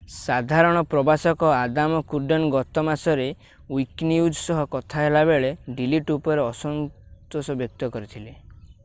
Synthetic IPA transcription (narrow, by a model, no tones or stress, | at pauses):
sad̪ʱaɾɔɽ̃ɔpɾɔbasɔkɔad̪amɔkuɖɔnɡɔt̪ɔmasɔɾe | wikniud͡ʒsɔɦɔkɔt̪ʰaɦelabeɭeɖiliʈupɔɾeɔsɔnt̪osɔbjɔk̚t̪ɔkɔɾit̪ʰile